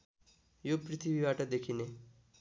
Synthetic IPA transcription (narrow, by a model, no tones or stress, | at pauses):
jopɾɪt̪ʰibiʋaʈed̪ekʰine